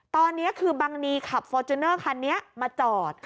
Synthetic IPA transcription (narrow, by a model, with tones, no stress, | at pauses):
t̪ɔː˧nːi˦˥ɐʔkʰɯː˧baː˧ŋniː˧kʰa˨˩p̚fɔː˧t͡ɕu˧nɤː˥˩kʰa˧nːi˦˥ɐmaː˧t͡ɕɔː˨˩t̪̚